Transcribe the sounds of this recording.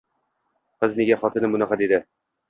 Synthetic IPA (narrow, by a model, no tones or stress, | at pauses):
qɤzneɡʲaχɒt̪ʰɤ̆nɘmʊnæqɑd̪ed̪ɪ